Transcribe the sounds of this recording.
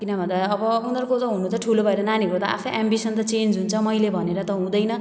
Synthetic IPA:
kinʌbʱʌnd̪aʌbʌunʌrkot̪ʌɦunũt͡sʰʌʈʰulobʱʌeɾʌnaniɾot̪ʌa̰pʰaʔambisʌnt̪ʌt͡send͡zɦunt͡sʰʌmʌjlebʱʌneɾʌt̪ʌɦũd̪ʌjnʌ

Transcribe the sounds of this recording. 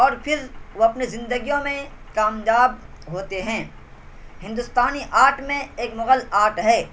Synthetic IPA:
ɔːɾpʰɪɾʋoɐpnezɪ̃nd̪əɡijõmẽkaːmjaːb̚ | ɦoːt̪eɦɛ̃ː | ɦɪ̃nd̪ʊst̪aːniʔaːʈmẽeːkmʊɣəlaːʈɦɛː

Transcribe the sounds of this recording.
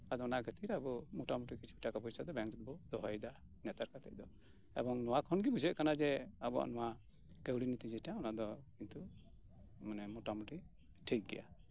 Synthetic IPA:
ad̪ɔɔnaʔɡət̪iɾabɔmuʈamuʈikit͡ʃʰibiʈakabɔisad̪ɔbɛŋɾut̪̚bɔd̪ɔɦɔjd̪a | nɛt̪aɾkat̪ɛ̰c̚d̪ɔ | ɛ̰bɔŋnɔwakʰɔnɡibud͡ʒɛʔ̚kanad͡ʒɛabɔa̰ʔnɔwa | kəwɽinit̪id͡ʒɛʈaɔnaʔd̪ɔkint̪u | manɛmɔʈamuʈi | ʈʰik̚ɡɛ̰ja̰

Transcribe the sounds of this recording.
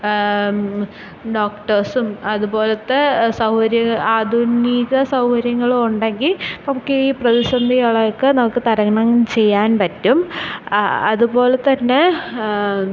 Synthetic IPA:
ɖo̞ːkʈɐrsumɐðubo̞ːlɐt̪ːesɐwhɐɾjɐŋaːd̪ʱuniːɣɐsɐwhɐɾjɐŋːɐɭuɳɖeŋɡilnɐmukːɨiːprɐðisɐnd̪ʱijaɭɐkːɨnɐmukːɨt̪ɐɾɐŋɳɐmt͡ɕe̞jːaːnpɐtːum | ɐðubo̞ːlet̪ɐnːe̞

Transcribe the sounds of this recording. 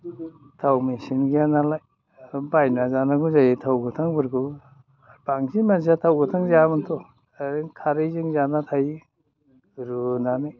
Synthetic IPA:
tʰawmisinɡianalaj | bajnazanaɡuzajitʰawɡɯt̪ʰaŋbɯɾɡɯ | baŋzimanzatʰawɡɯt̪ʰaŋzamɯnt̪ʰɔ | ɾɯkʰaɾɯjzɯŋzanat̪ʰaj | ɾunanɯj

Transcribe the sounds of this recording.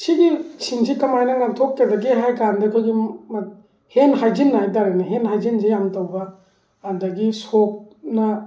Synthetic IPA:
siɡisiŋsikɐmajnɐŋaŋtʰokːadɐɡiɦajkandɐkʰojɡimɐt̚ | henɦajd͡ʒinːɐhajdaɾenɐɦenɦajzins̬ijamtɐwbɐː | ndɐɡisok̚ | nɐ

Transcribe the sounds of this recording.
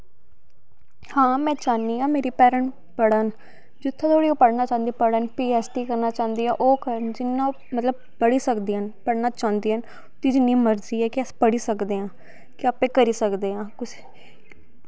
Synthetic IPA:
hãːmɛ̃ːt͡ʃaːnːiːãːmeːɾiːpɛːɾəɳ | pəɽən | d͡ʒɪt̪ʰːẽt̪ʰoːɽiːõːpəɽnaːt͡ʃãːnd̪ipəɽənpiːɛːsʈiːkəɾnaːt͡ʃãːnd̪iːaːʔoːkəɾənd͡ʒɪnːãː | mət̪ləb̚ | pəɽiːsəkd̪iːɦənpəɽnaːt͡ʃãːnd̪iːɦən | t̪iːd͡ʒɪnːĩːməɾziːɛːkɪɛspəɽiːsəkd̪eːãː | kɪaːpẽːkəɾiːsəkd̪eːɦãːkʊs

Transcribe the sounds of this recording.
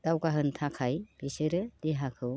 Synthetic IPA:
d̥awɡaɦɯntʰakʰajb̥isɯɾɯd̥eɦakʰɯw

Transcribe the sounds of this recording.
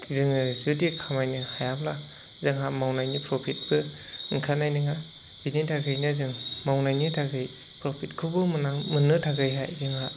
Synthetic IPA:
zɯŋɯzudikʰamajnɯhajamla | zɯŋɦamawnajnipʰɾɔpʰit̚bɯ | ŋkʰanajnɯŋa | binitʰaɡɯjnɯzɯŋmawnajnɯtʰaɡɯj | pɾɔpʰit̚kʰɯbɯmɯnaŋmɯnɯtʰaɡɯjɦa̰jzɯŋa

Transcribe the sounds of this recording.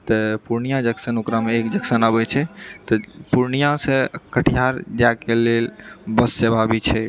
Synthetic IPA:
t̪əpuɾnijad͡ʒəksənokɾameekd͡ʒəksənabɛt͡ʃʰɛt̪ɔpuɾnijãsẽkəʈʰijaɾd͡ʒakelelbəsːebʱabit͡ʃʰɛ

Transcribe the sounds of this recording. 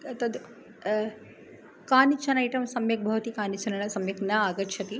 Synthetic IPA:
t̪ɐd̪ | kaːnit͡ʃʰɐnɐiʈɐmsɐmjɐk̚bʱɐʋt̪ikaːnit͡ʃʰɐnɐnɐsɐmjɐknɐaːɡɐt̪t͡ʃʰɐt̪i

